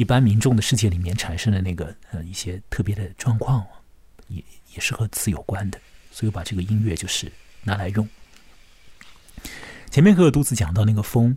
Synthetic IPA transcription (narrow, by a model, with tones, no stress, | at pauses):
i˥˩pa˥nmi˧˥ŋʈ͡ʂʊ˥˩ŋd̪ə˩ʂɻ̩˥˧t͡ɕjɛ˥˩li˨˩mjɛ˥˩nʈ͡ʂʰa˨˩nʂɤ˥ŋlə˨na˥˩ɡə˩ə˧i˥˩ɕjɛ˥t̪ʰɤ˥˩p̬jɛ˧˥d̪ə˧ʈ͡ʂwɑ˥˧ŋkʰwɑ˥˩ŋ˩jɛ̰˧˩˦jɛ˨˩ʂɻ̩˥˩xɤ˧˥t͡sɹ̩˧˥jo˨˩ʊkwa˥nd̪ə˨swɔ˧˥i˧˥pa˨˩ʈ͡ʂɤ˥˩ɡə˩i˥ŋɥɛ˥˧t͡ɕjo˥˧ʊʂɻ̩˥˩na˧˥la˧˥ɪjʊ˥˩ŋ | t͡ɕʰjɛ˧˥mʲjɛ˥˩nxjt̪u˥t͡sɹ̩˧˥t͡ɕjɑ˨˩ŋt̪ɑ˥˧ʊna˥˩ɡə˩fɤ˥ŋ